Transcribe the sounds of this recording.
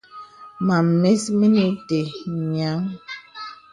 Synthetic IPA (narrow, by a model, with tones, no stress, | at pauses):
ma˨mme˦smi˦ni˦te˨ɲa˨˦ŋ